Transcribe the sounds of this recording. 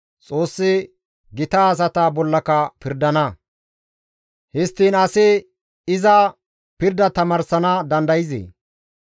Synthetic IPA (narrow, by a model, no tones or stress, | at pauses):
t͡sʼo̞ːsːɪ | ɡɪt̪aːs̬ɐt̪ɐbɔlːɐkɐpɪɾd̪ɐnɐ | hɪst̪ːiːnɐsɪ | ɪzɐ | pɪɾd̪ɐt̪ɐmɐːɾsɐnɐd̪ɐnd̪ɐjɪzḛː